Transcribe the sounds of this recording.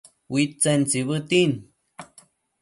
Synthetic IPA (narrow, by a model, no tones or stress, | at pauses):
witt͡sent͡siβət̪in